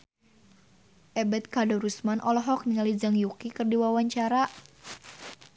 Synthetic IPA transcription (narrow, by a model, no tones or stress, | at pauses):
ʔɛbɛt̪̚kadɔɾusmanʔɔlɔɦɔk̚niŋalid͡ʒaŋjukikɨrdiwawaɲt͡ʃaɾa